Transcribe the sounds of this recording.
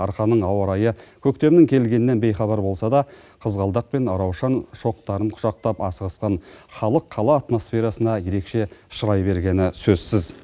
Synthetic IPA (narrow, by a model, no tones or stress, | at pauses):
ɑɾχɑnəɴɑwɑɾɑjəkʲʰɵk̚t̪e̞bɪnɪŋkʲʰe̞lɡʲe̞nɪne̞nbe̞jχɑbɑɾbo̞lˠsɑd̪ɑ | qʰəzʁɑlˠd̪ɑq̚pe̞nɑɾɑwʃɑnʃo̞q̚t̪ɑɾəɴqʰʊ̥ʒɑq̚t̪ɑpɑsəʁɑsqɑnχɑlˠəqʰːɑlˠɑːt̪mo̞sfe̞ɾɑsənɑje̞ɾe̞kʃe̞ʃəɾɑjbe̞ɾɡʲe̞nɪsɵzsɪz